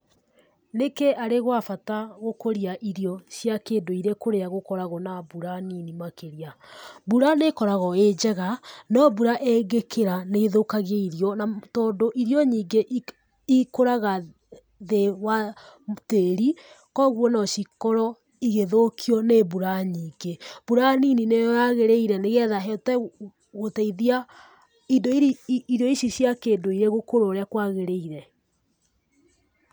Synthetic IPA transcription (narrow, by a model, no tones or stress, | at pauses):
nekeʔaɾeɣwafataɣokoɾiaʔiɾjɔʃjakeːndoiɾekoɾeaɣokɔɾaɣɔnabuɾaninimakeɾiabuɾanekɔɾaɣɔed͡ʒɛɣanɔbuɾaʔeɡekʰeɾaneðokaɣeiɾjɔnatɔːndoʔiɾjɔɲiːɡeʔ | ikoɾaɣa | ðewateɾi | kɔɣwɔnɔʃikɔɾɔ | iɣeðokʰiɔnebuɾaɲiːɡeb̥uɾanininejaɣeɾeiɾɛneɣɛðaɦɔtɛ | ɣotɛiðia | idoiiɾjɔiʃiɕjakeːdoiɾeɣokoɾoɾeakwaɣeɾeiɾɛ